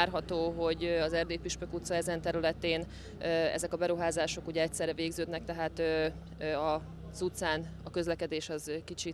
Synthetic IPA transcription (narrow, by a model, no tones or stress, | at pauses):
rɦɒt̪oːɦo̞ɟɒzɛrd̪eːpiʃpøkut̪sɒɛzɛnt̪ɛɾylɛt̪eːn | øɛ̰zɛkɒbɛɾuɦaːzaːʃo̞kuɟɛɛcʲsɛrːɛveːɡzøːd̪nɛk̚t̪ɛɦaːt̪ø | ɒ | z̥ut̪saːnɒkø̞zlɛkɛd̪eːʃɒzkit͡ʃi